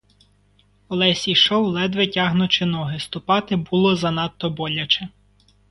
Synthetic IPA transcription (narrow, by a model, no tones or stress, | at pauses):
ɔlˠɛsʲiʃɔwlˠɛd̪ʋetʲɑɦnʊt͡ʃɪnɔɦɪst̪ʊpɑt̪ɪbulˠɔzɐnɑt̪ːɔbɔlʲɐt͡ʃɛ